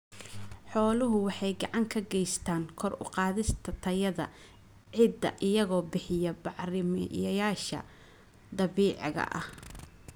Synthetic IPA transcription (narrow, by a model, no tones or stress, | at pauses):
ħɔːlʊɦʊwɑħɑjɡɑʕɑŋkʰɐɡɛjst̪ʰaːŋkʰɔrʊ̰qɑːðɪst̪ʰɐt̪ʰɐjɐðɐ | ʕɪd̪ɐ̰ʔɪjɐɣɔːbɪħɪjɐbɑʕrɪm̰jɐjaːʃɐ̰ | d̪ɐβiːʕɪɣɐ̰ʔɐ̰h